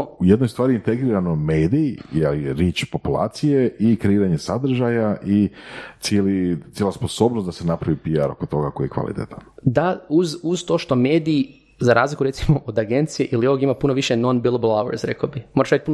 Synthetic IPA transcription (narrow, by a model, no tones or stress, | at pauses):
ujed̪nojst̪ʋaːɾiint̪eɡɾiːɾanomeːd̪ijeliɾjeːt͡ʃpo̞pulˠa̰ːt̪sijeʔikɾeiːɾaɲesad̪r̩ʒajaʔit̪sjelit̪elasposo̞ːbnost̪d̪asenapɾaʋipiaɾo̞̰kot̪o̞ɡakojikʋa̰lˠʔḭt̪ḛt̪and̪auzuzt̪o̞ːʃt̪o̞meːd̪iː | zaɾa̰ːzlikuɾe̞t̪simoʔod̪aɡe̞nt̪sijeʔilio̞ʋoɡimapunoʋiʃeno̞nbilablawḛɾsɾḛkabixmoɾaʃajt̪puno